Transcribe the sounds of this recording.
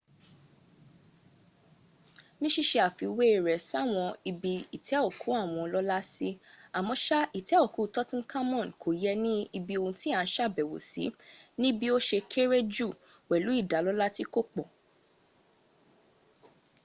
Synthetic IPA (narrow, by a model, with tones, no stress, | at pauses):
nĩ˦ʃi˦˨ʃe˧a˨fi˧we˦i˨ɾɛ˨sa˦˨w̃ɔ̃˧i˧bi˧i˨tʰɛ˨˦ɔ˦˨ku˨˦a˦˨w̃ɔ̃˧lɔ˦la˦si˦a˨mɔ̃˧ʃa˦i˦˨tʰɛ˨˦ɔ˦˨ku˨˦˨tɔ˦tɔ̃˦n˦ka˦mɔ̃˦˨n˨kʰo˨jɛ˦˧nĩ˦i˧bi˧o˧ũ˧ti˦a˦˨˦ʃa˦˨bɛ˨wo̰˨sḭ˨˦nĩ˦bi˦o˦ʃe˧kʰe˦ɾe˦d͡ʒu˦˨ | wɛ˨lu˨˦i˦˨da˨˦lɔ˦la˦ti˦ko˦k͡pɔ˨